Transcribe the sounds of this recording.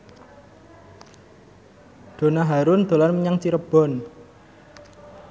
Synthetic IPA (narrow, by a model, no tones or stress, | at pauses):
d̪̥o̤naɦaɾʊnd̪̥o̤lanməɲaŋt͡ʃiɾəb̥ɔ̤n